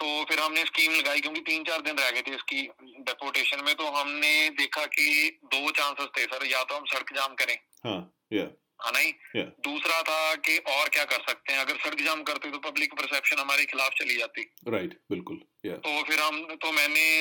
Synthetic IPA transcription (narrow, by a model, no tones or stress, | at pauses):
t̪oːfʰɪɾɦɐmneskiːmlɐɡaːikjõːkit̪iːnt͡ʃaːɾd̪ɪnɾɛɦɡet̪ʰeɪski | ɖɛːpoːɾʈeːʃənmẽt̪oɦɐmned̪eːkʰaked̪oːt͡ʃãːnsɪzt̪ʰesɐɾjat̪oɦɐmsɐɽəkd͡ʒaːmkɐɾẽː | ɦãː | ja | ɦãːnaːɦiːjad̪uːsɾat̪ʰakeʔɔːɾkjaːkɐɾsɐk̚t̪eɦɛ̃ɐɡəɾsɐɽəkd͡ʒaːmkɐɾt̪eet̪opɐblɪkpəɾsɛːpʃənɦɐmaːɾexɪlaːft͡ʃɐlid͡ʒaːt̪i | ɾaɪʈbɪlkʊl | ja̰ːt̪oːfʰɪɾɦɐmt̪omɛ̃ːne